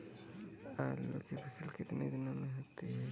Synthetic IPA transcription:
alo̰kepʰɐsəlkɪt̪ned̪ɪnomẽɦot̪eɦɛ

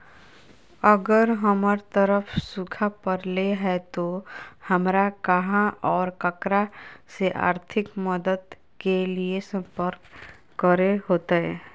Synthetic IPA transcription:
əɡəɾɦəmɾt̪əɾəfsʊkʰapəɾleɦɛt̪ohɐmɾakəɦãʔɔːɾkəkɾaseʔa̰ːɾt̪ʰɪkməd̪əd̪ | keliesə̃mpəɾkː | əɾeɦoːt̪eɦɛː

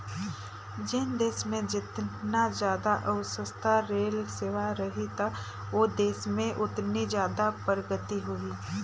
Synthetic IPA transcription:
d͡ʒeːnd̪eːsmẽd͡ʒɪt̪nazjaːd̪aʔəʋsəst̪ʰaɾeːlseːʋaɾɐɦit̪a | ʋoːd̪eːsmẽʔʊt̪nid͡ʒjaːd̪apəɾəɡət̪iɦʊiː

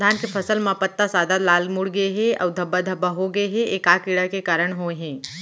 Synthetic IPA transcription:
d̪ʱaːnkepʰəsəlmãpət̪ːasaːd̪ʱalaːlmuɽɡəeɦẽa̰wd̪ʱəbəd̪ʱəbʱəɦoɡəeɦẽekakɪɽəɦkekaːɾəɽ̃ɦoɦẽː

